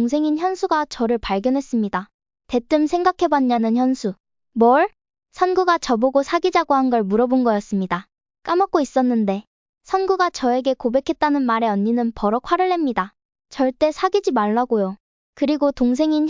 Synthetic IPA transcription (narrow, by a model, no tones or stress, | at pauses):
ŋsʰe̞ŋinçjʌnsʰuɡat͡ɕʌɾɯɭpaɭɡjʌnɦe̞s͈ɯmɲida | te̞t͈ɯmsʰe̞ŋɡakʰe̞baɲːanɯnçjʌnsʰu | mwʌɭ | sʰʌnɡuɡat͡ɕʌboɡosʰaɡid͡ʑaɡoɦanɡʌɭmuɾʌbonɡʌjʌs͈ɯmɲida | k͈amʌk̚k͈ois͈ʌnːɯnde̞ | sʰʌnɡuɡat͡ɕʌe̞ɡe̞kobe̞kʰe̞t̚t͈anɯnmaɾe̞ʌɲːinɯnpʌɾʌkʰwaɾɯɭːɦe̞mɲida | t͡ɕʌɭt͈e̞sʰaɡid͡ʑimaɭːaɡojo | kɯɾiɡotoŋs̬ʰe̞ŋin